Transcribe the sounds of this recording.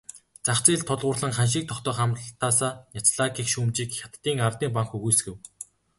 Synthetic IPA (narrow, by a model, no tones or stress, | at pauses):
t͡saχt͡siːɮt̪ʰʊɮʁʊːrɮə̆ŋχanʃ̬iːk̚t̪ʰɔχt̪œːχamt̪aːsaːnat͡sɮakʰiːkʃuːmt͡ɕiːkxʲat̪ːiːŋart̪iːmpaŋkuɣuːjsɡɘ̆w